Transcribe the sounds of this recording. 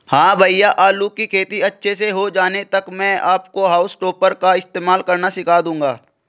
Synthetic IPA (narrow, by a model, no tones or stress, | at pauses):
hãːbʱəɪjaʔaːluːkːikʰeːt̪iɐtːʃʰeseɦod͡ʒaːnet̪ɐkmɛ̃ːaːpkoɦaːʊsʈoːpəɾkaɪst̪eːmaːlkɐɾnaʃɪkʰaːd̪ũːŋɡaː